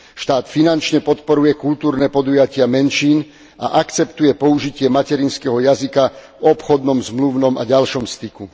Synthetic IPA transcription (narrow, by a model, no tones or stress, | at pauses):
ʃt̪aːt̪finant͡ʃɲɛpɔt̪pɔɾujɛkult̪uːɾnɛpɔd̪ujacɪamɛnʃiːn | a̰ʔakt͡sɛpt̪ujɛpɔuʒicɪɛmacɛɾinskɛɦɔjazikavɔpxɔd̪nɔmzmluʊnɔma̰ɟalʃɔmst̪iku